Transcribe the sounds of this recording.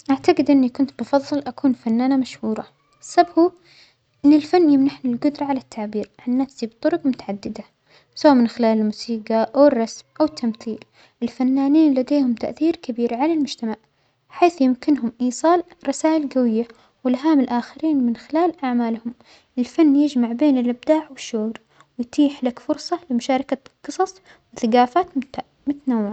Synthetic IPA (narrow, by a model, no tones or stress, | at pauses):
ʔaʕt̪aɡɪd̪ʔɪnːikʊnt̪bɨfɑðˤːɨlʔakʰuːnfanːaːnamaʃhuːɾˤɑ | ɪsːabhuː | ʔɪnːɪlfanːjɪmnaħnɪlɡʊd̪ɾˤɑʕalat̪ʰːaʕbiːɾʕanːafsibt̪ˤʊɾʊqmʊt̪aʕad̪ːɪd̪a | sawaːʔmɪnxɪlaːlɪlmuːsiːɡɑʔawɪrˤːɑsmʔawɪt̪ʰːamθiːl | ɪlfanːaːniːnlad̪eːhʊmt̪a̰ʔθiːɾkɪbiːɾʕalalmʊd͡ʒt̪amaʕ | ħaːθjɪmkɪnɦʊmʔiːsˤɑːlɾˤɑsaːʔɪlɡawɪjːa | wɪlɦaːmɪlʔaːxɪɾiːnmɪnxɪlaːlʔaʕmaːlhʊm | ʔɪlfanːjɪd͡ʒmaʕbeːnɪlʔab̚d̪aːʕwɪʃːuːɾ | wɪjt̪ʰiːħlakfʊɾsˤɑlɪmʊʃaːɾˤɑkaqɨsˤɑsˤ | wɪθaɡaːfaːt̪ | mʊt̪nawːɪʕa